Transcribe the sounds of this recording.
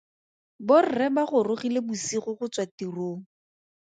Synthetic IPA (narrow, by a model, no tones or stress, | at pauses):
bʊr̩rɛbaχʊrʊχilebʊsiχʊχʊt͡swatiroːŋ̩